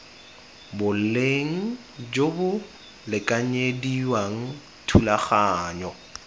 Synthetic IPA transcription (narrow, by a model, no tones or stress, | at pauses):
bʊl̩leŋ̩ | d͡ʒobʊ | lɪkʼaɲediwaŋ̩ | tʰulaχaːɲɔ